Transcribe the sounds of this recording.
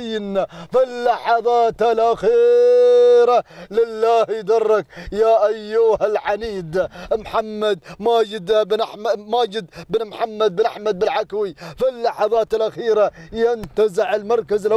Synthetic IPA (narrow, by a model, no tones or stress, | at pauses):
nːafɪlːɑħɑðˤɑːt̪alʔaxiː | ɾalɪlːaːhjd̪ɑrˤːɑkjaːʔajːuhalʕaniːd̪mħamːad̪maːd͡ʒɪd̪bnaħmamaːd͡ʒɪd̪bnmħamːad̪̚bɪnʔaħmad̪̚bɪlʕakwifɪlːɑħɑðˤɑːt̪ɪlʔaxiːɾajɪnt̪azɪʕɪlmɑɾˤkazɪlʔ